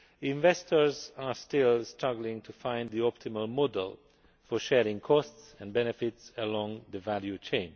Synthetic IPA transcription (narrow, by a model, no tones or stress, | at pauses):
ɪ̃ɱvɛstʰəɹzaɹstɪlˠstɹʌɡlɪ̃ŋtʰufãɪ̃nðiɔp̚tʰɪməlˠmɔdə̰lˠ | fɔɹʃɛɹɪ̃ŋkʰɔstsɛ̃nbɛnɛfɪtsəlɔ̃ŋðəvæljut͡ʃʰẽɪ̃n